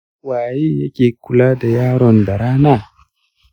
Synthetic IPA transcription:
waː˨ji˦ja˦kʲʼeː˨ku˨laː˦da˨jaː˦ɾɔ˨nda˨ɾaː˦na˦˨

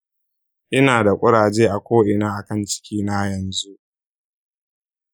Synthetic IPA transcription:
ʔɪ˦naː˨da˨kʷʼʊ˦ɽaː˨d͡ʒeː˦ʔa˨kʷoː˦ʔɪ˨naː˦ʔa˨kɐ˦nt͡ʃɪ̥˦kʲiː˦na˦jɐ˨nzu˦ʔ

